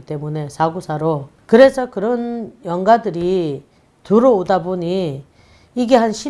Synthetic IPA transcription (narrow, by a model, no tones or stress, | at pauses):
it͈e̞mune̞sʰaɡusʰaɾo | kɯɾe̞sʰʌkɯɾʌnjʌŋɡadɯɾi | tuɾoːdabuɲi | iɡe̞ɦanɕʰi